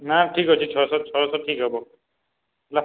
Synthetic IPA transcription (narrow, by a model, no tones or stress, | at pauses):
naʈʰikɦot͡ʃʰit͡ʃʰɔɹɔsɔt̚t͡ʃʰɔɹɔsɔp̚ʈʰikɦɔbɔ | la